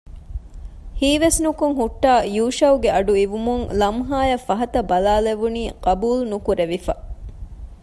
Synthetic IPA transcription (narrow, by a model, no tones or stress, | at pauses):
hiːʋesnukuŋɦuʈːaːjuːʃɐwɡeɐɖuiʋumuŋlɐmɦaːjɐfɐɦɐt̪ɐbɐlaːleʋuniːqɐbuːlnukuɾeʋifɐ